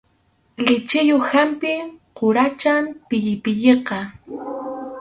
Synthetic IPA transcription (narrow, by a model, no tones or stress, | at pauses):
lɪt͡ʃɪjohampɪqʊɾat͡ʃampɪʎɪpɪʎeqɑ